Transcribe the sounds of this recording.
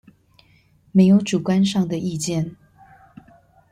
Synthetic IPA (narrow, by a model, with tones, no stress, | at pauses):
me˧˥ɪjo˧˥ʊʈ͡ʂu˨˩kwa˥nʂɑ˥˩ŋd̪ə˩ʔi˥˧t͡ɕjɛ˥˩n